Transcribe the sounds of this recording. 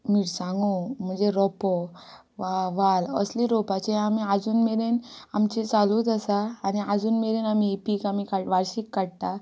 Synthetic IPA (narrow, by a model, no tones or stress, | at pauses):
miːʈsãŋɡum̤ənd͡zeɾɔpɔ | ʋaʋalə̰sliɾɔpat͡ɕeamiad͡zuːnmeɾenamt͡ɕet͡saluːd̪əsaːniad͡zuːnmeɾenamiepiːkamikaʈʋaɾɕikːaɽt̪a